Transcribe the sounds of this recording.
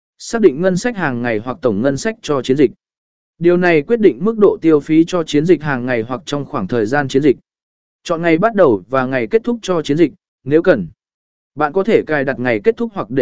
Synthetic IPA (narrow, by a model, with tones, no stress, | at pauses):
saː˦˥k̚ɗḭ˧˨ŋ̟ŋə˧nsa˦˥k̚haː˨˩ŋːa˨˩jɦwa˨˩k̚t̪ə˧˩wŋ͡mŋə˧nsa˦˥k̚t͡ɕɔ˧t͡ɕi˨˦ənzï˨˩k̟̚ | ɗi˨˩əwna˨˩jkwi˦˥ət̚ɗḭ˧˨ŋ̟mɨ˦˥ək̚ɗo̰˧˨t̪i˧əwfi˨˦t͡ɕɔ˧t͡ɕi˨˦ənzï˨˩k̟̚ɦaː˨˩ŋːa˨˩jɦwa˨˩k̚t͡ɕɔ˧wŋ͡mxwaː˧˩ŋt̪ʰəː˨˩jzaː˧nt͡ɕi˨˦ənzï˨˩k̚ | t͡ɕɔ̰˧˨nŋa˨˩jɓa˦˥t̚ɗə˨˩wvaː˨˩ŋa˨˩jke˦˥t̚t̪ʰʊ˦˥k͡p̚t͡ɕɔ˧t͡ɕi˨˦nzï˨˩k̚ | ne˨˦wkə˨˩n | ɓa̰ː˧˨nkɔ˨˦t̪ʰe˧˩kaː˧˩jɗa˨˩t̚ŋa˨˩jke˦˥t̚t̪ʰʊ˦˥k͡p̚hwa˨˩k̚ɗ